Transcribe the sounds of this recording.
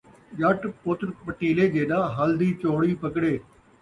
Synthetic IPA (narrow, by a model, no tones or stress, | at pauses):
d͡ʒəʈpʊt̪ɾpəʈiːleːd͡ʒeːɗãːɦəld̪iːt͡ʃoːɽiːpəkɽeː